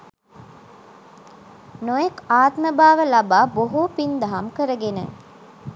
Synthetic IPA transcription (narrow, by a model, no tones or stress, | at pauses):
nojekaːt̪məbaːʋəlɐbaːboɦupind̪ɐɦɐmkəɾəɡenə̰